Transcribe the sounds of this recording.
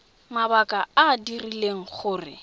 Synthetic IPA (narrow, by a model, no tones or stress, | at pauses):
mabakʼaadirileŋ̩χʊːrɪ̰